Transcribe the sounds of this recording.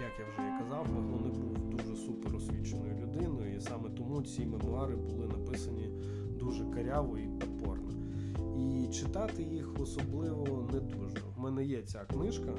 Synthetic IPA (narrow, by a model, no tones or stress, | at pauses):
jakjawʒɛɛkɐzɑwmɛɔnɪbuwd̪uʒɛsupɛɾɔsʲʋʲit͡ʃenɔjʊlʲʊd̪ɪnɔjʊisɑmɛt̪ɔmut͡sʲimemʊɑɾɪbʊlˠɪnɐpɪsɐnʲi | d̪uʒɛkɐɾʲɑʋɔip̪ɐpɔ̰rnɐ | it͡ʃɪt̪ɑt̪ɪjixɔsɔblˠɪʋɔɔnɛd̪ɔʒnɔmɛnɛjɛt͡sʲaknɪʃkɐ